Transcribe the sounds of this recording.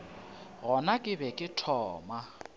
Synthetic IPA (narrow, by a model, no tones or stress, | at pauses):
ɣɔnakʼɪbɛkʼɪtʰɔːma